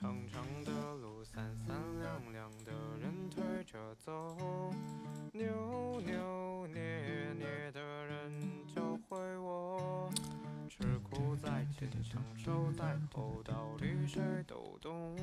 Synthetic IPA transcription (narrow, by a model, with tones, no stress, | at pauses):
ɑ˧˥ŋʈ͡ʂʰɑ˧˥ŋd̪ə˧lu˧˩sa˧˩nsa˥nljɑ˨˩ŋljɑ˨˩ŋd̪ə˧ɻə˧˥nt̪ʰwe˥ɪʈ͡ʂɤ˨˩t͡so˥˧˥ | njo˧˥njo˧˥njɛ˧˩njɛ˧˩˧d̪ə˧˩ɻə˧˥nt͡ɕjo˥˧ʊxwe˥ɪwɔ˧˩ | ʈ͡ʂʰɻ̩i˧˨˥kʰt̪uu˥t͡sa˧˥t̪e˥˩d̪ə˨˩˧ŋʂo˥˧t̪a˥˧˩t̪ʰo˨˧˩t̪əɑ˨˧˥ʊt̪y˥t̪e˥˩t̪o̰˨˩ʊt̪ʊ˥ŋ